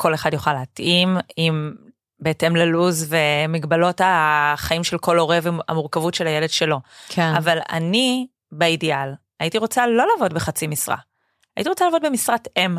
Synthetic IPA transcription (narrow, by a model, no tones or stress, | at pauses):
kʰo̞leχadjoχaleatʔimim | beetemleluzvemiɡbalo̞taχaimʃelkʰo̞lo̞ʁevea̰muʁkavutʃelajele̞d̥ʃe̞lo̞kʰeavala̰ni | beidial | ajitiʁo̞t͡salo̞laːvo̞dbeχat͡simisʁa̰ː | jitiʁot͡salaːvo̞d̚bemisʁatem